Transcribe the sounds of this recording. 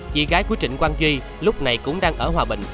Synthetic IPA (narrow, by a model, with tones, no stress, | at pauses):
t͡ɕḭ˧˩ɣaː˨˦jku˨˦t͡ɕï˧˨˩ŋ̟kwaː˧nzwi˧ | lʊ˦˥k͡p̚na˨˩jkʊ̰˧˥ŋ͡mɗaː˧ŋʔəː˧˩ɦwaː˨˩ɓï˧˨ŋ̟